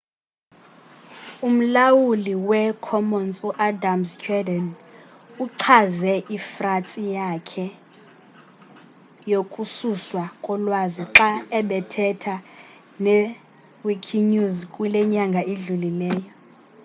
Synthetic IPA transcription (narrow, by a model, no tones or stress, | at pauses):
um̩lawuliwɛkʰɔmɔnsuʔadamskʰʼɛdɛn | uǁʰazɛʔifratʼijakʰɛ | jokʼususwakʼɔlwaziǁaɛɓɛtʰɛtʰa | nɛ | wikʰiɲuzkʼulɛɲaŋɡʱaʔeɮulilɛːjɔ